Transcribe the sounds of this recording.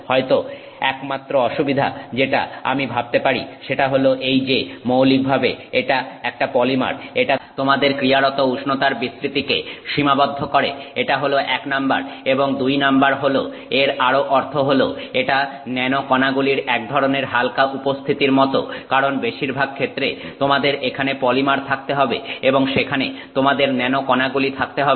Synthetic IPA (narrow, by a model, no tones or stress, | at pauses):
hɔet̪o | ɛkmat̪ːɾoɔʃubid̪ʱa̰d͡ʑeʈa̰a̰mibʱab̚t̪epaɾḭʃeʈaɦoloʔejd͡ʑemowlik̚bʱabeeʈaɛk̚ʈapɔlima̰ɾeʈat̪omad̪eɾkɾiaɾot̪ouʃnot̪aɾbisɾit̪ikḛʃimabod̪ʱːokoɾḛeʈaɦoloʔɛknamba̰ɾeboŋd̪ujnambaɾɦolo̰ | eɾaɾoʔɔɾt̪ʰoɦolo̰eʈanɛnokɔnaɡuliɾɛk̚d̪ʱɔɾoneɾɦalkaʔupost̪ʰit̪iɾmɔt̪o̰kaɾonbeʃiɾbʱaɡ̚kʰet̪ːɾet̪omad̪eɾekʰanepɔlimaɾt̪ʰak̚t̪eɦɔbḛeboŋʃekʰanet̪omad̪eɾnɛnokɔnaɡulit̪ʰak̚t̪eɦɔe